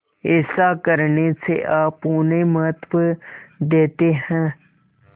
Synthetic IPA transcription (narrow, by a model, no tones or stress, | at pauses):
ɪsakəɾneseʔaːpuːnemət̪ʋd̪eːt̪eɦɛ̃ː